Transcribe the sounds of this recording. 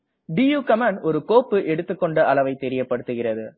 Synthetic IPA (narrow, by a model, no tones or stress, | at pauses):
bijuːkɐmanɔɾɯkoːpːɯʔɛɽɯt̪ːɯkːɔɳɖɐʔɐlɐʋɐɪt̪ɛɾɪjɐpːɐɽɯt̪ːɯɣɪrɐðɯ